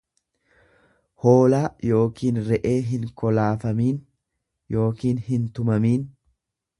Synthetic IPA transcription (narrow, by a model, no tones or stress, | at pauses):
ho̞ːlaːjo̞ːkiːnɾɛʔe̞ːɦɪŋkɔlaːfɐmiːn | jo̞ːkiːnhɪnt̪ʊmɐmiːn